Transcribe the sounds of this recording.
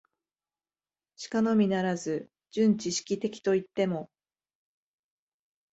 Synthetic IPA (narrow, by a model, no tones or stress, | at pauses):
ɕi̥kano̞mʲinaɾazɨ | d͡ʑɨ̃ɲ̟t͡ɕiɕi̥kʲit̪e̞kʲi̥t̪o̞it̪ːe̞mo̞